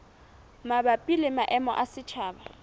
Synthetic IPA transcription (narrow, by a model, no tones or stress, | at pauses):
mabapʼilɪmaʔɛmɔ̰ʔasɪt͡ʃʰaːba